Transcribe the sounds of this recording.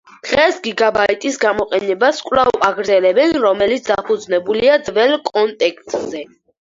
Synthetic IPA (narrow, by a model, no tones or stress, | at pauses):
d̪̥ʁɛsɡiɡabaɛt̪ʼisɡamɔqʼɛnɛbaskʼwlavaɡɾd̪zɛlɛbɛnɾɔmɛlit̪sʰd̪apʰud̪znɛbuliad̪zvɛlkʼɔnt̪ʼɛkʰt̪ʼz̥ɛ